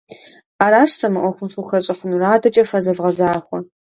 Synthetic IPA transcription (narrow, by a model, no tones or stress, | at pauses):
aːɾaːʂsɐmɨʔʷɔxʷʊmsʊxɐɕʼɪχʊnraːdɐt͡ʃʼɐfɐzɐvʁɐzaːxʷɔ